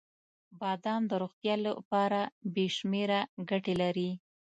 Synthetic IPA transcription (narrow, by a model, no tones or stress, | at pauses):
bɑd̪ɑnd̪əɾoɣt̪jɑla̰pɑɾabeʃmeɾaɡaʈelaɾi